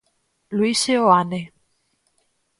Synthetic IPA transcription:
luiseoane

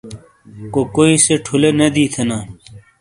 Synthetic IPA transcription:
kokoːiseʈʰulenɐd̪iːt̪ʰenaː

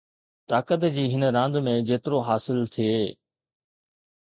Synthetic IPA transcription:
t̪aːkət̪d͡ʑiːɦɪnɾãːnd̪mẽd͡ʑeːt̪ɪɾoɦaːsɪlt̪ʰieː

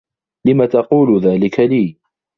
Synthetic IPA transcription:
lɪmat̪ɑquːlʊðaːlɪkʰaliː

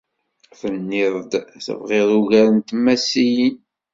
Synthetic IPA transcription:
θənːɪðˤd̪θə̰vʁeðˤuʝæɾənt̪mːæsijin

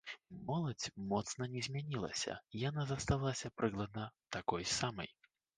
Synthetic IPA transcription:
mɔlˠɐt͡sʲmɔt̪sn̪ɐnʲɛzʲmʲanʲilˠɐ̰sʲɐ̰ijanazɐst̪alˠasʲɐpɾɨklˠɐd̪̚nɐt̪akɔjsamɐ̰j

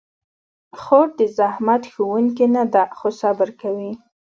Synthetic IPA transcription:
xoʈ̚d̪əzahmat̪xowuŋkinad̪axosabəɾkawi

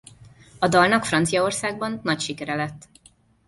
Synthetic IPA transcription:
ɒd̪ɒlnɒkfrɒnt̪sijɒo̞rsaːɡ̚bɒnːɒcʃikɛɾɛlɛt̪ː

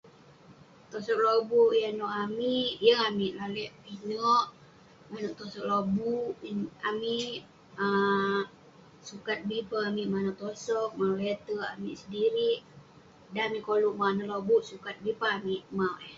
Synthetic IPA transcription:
t̪osɔk̚lobuʔjanɔʔamiʔʔjəŋamiʔlalɛʔpinɔʔ | manɔʔt̪osɔk̚lobuamiʔ | ə | sukat̪̚bipaamiʔmanɔʔt̪osɔk̚malet̪əamiʔsədiɾiʔ | daamiʔkoluʔmanəlobuʔsukat̪̚bipaːmiʔmawʔɛh

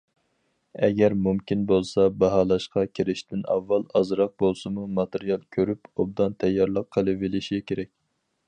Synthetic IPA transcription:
ɛɡʲɛɾmumkʲinbolˠsɑbɑɦɑːlˠɑʃqʰɑkʲʰeɾɪʃt̪ɪnɑ̰vːɑlˠɑzɾɑq̚bolˠsɨmumɑt̪eɾijɑlˠkʲʰøɾypob̚d̪ɑnt̪ʰɛjːɑɾlˠəqʰːəlˠɨvɪlɪʃiɡʲɛkʲʰeɾɛk̚ʲ

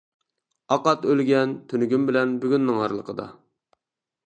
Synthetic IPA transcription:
ɑqɑt̪ølɡʲɛnt̪ʰønyɡʲymbɪlɛnbyɡʲynːɪŋɑɾlˠəqʰəd̪ɑ̰

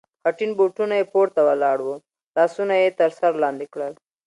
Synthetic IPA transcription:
haʈinbuʈunajepoɾt̪awalɑɽwo | lɑsunajet̪əɾsaɾlɑnd̪ikɽəl

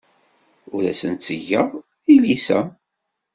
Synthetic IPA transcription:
ʊɾæsənt̪səʝəðˤθilisæ

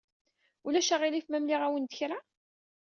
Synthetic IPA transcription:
ulæʃæʁilifmæmliʁæwənd̪əçɾa

